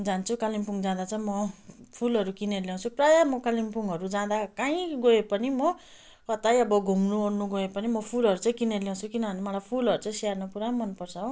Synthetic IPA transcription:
d͡zant͡sʰukalimpuŋd͡zãd̪at͡sʌĩmʌpʰulʌɾukinerljaw̃t͡sʰuprajʌmʌkalimpuŋɡɦʌɾud͡zãd̪akaĩɡoepʌnimʌ | kʌt̪ajʌbʌɡʱumnuɦornuɡoepʌnimʌpʰulʌɾut͡sʌĩkineljaw̃t͡sʰukinʌbʌnemaɽapʰulʌɾut͡sʌĩsiarnʌpuɾamʌnpʌrt͡sʰʌɦo

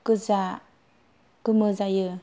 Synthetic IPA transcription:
kɯza | kɯməzajɯ

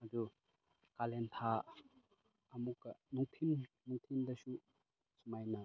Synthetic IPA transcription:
ɐdu | kalent̪ʰa | mukːɐnuŋt̪ʰim | nuŋt̪ʰind̪ɐsu | sumajna

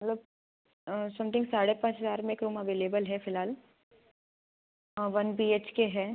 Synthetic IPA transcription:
mɐt̪ləb̚ | sɐ̃mt̪ʰɪ̃ŋɡsaːɽepãːt͡ʃɦɐzaːɾmẽeːkɾuːmɐʋeːleːbəlɦɛfɪlɦaːl | ʋɐnbiːeːt͡ʃkeɦɛː

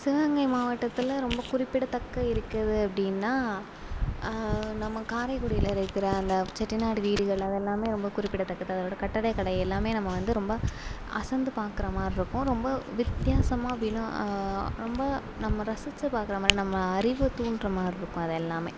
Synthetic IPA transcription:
sɪʋɐŋɡɐɪmaːʋɐʈːɐt̪ːɪlɾɔmbɐkʊɾɪpːɪɽɐt̪ɐkːɐɪɾɯkːɾɐðɯɐpːɐɽɪnːaː | nɐmːɐkaːɾɐɪkʊɽɪjɪlɪɾɐkːɪɾɐɐnd̪ɐt͡ʃɛʈːɪnaːɽɯʋiːɽɯɣɐɭɐðɛlːaːmeːɾɔmbɐkʊɾɪpːɪɽɐt̪ɐkːɐðɯɐðɐɾoːɽɐkɐʈːɐɽɐɪkɐɽɐjɛlːaːmeːnɐmːɐʋɐnd̪ɯɾɔmbɐ | ɐsɐnd̪ɯpaːɾkɯɾɐmaːɾɪɾɯkːʊ̃ɾɔmbɐʋɪt̪jaːsɐmaːɐp̬ːɐɽɪnʊ̃ | ɾɔmbɐ | nɐmːɐɾɐsɯt͡ʃːɯpaːɾkɯɾɐmaːɾinɐmːɐːɾɪʋɯt̪uːɳɖɾɐmaːɾɪɾɯkːʊ̃ɐðɛlːaːmeː

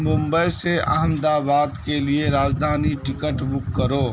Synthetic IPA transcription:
mʊ̃mbəjseʔɐ̰ɦəmd̪aːbaːd̪kelieɾaːd͡ʒd̪ʱaːniʈɪkəʈbʊkːəɾoː

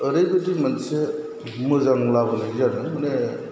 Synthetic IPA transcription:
ɯɾejbedimanse | mɯzaŋlabɯnazanɯmane

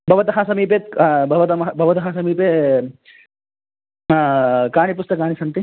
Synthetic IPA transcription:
bʱɐʋɐt̪ɐɦɐsɐmiːpeːt̪bʱɐʋɐt̪ɐmɐbʱɐʋɐt̪ɐɦɐsɐmiːpeː | kaːɳipust̪ɐkaːɳisɐnt̪i

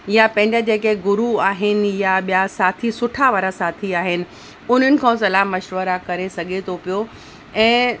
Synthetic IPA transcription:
japɐ̃ɦɪ̃ɲd͡ʑad͡ʑeːkeɡʊɾuaːɦɪnɪ̆jaɓijasaːt̪ʰisʊʈʰaʋaɾasaːt̪ʰiaːɦɪnɪ̆ | ʊn̤ənɪ̆kʰãːsɐlaːmːɐʃʋəɾakɐɾesɐɡʱet̪ʰopijo | ɛ̃ː

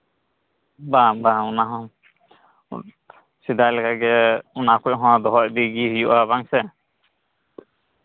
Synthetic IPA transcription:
babaunaɦɔ̃ | sid̪ajlɛkaɡɛunakʰɔjɦɔ̃d̪ɔɦɔt̚d̪iɡihijuʔabaŋsɛ

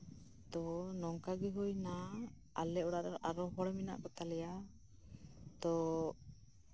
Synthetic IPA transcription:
t̪ɔnɔŋkaɡɛɦujna | alɛɔɽaɾɔʔaɾɔɦɔɽmina̰ʔkɔt̪alɛja | t̪ɔ

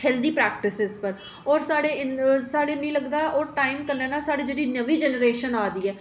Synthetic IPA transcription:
hɛld̪iːpɾɛːk̚ʈɪsɪzpəɾ | ɔːɾsaːɽeːɪnsaːɽeːmẽːləɡd̪aːɛʔɔːɾʈaːimkəɾnɛ̃ːnaːsaːɽeːd͡ʒeːɽiːnəʋiːd͡ʒɛːnəɾeːʃənaːd̪iːɛː

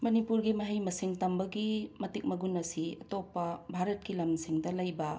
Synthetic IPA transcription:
mɐnipuɾɡimɐɦɐjmɐsiŋtɐmbɐɡimɐtik̚mɐɡunːɐsiɐtopːɐbʱaɾɐt̚kilɐmsiŋdɐlɐjbɐ

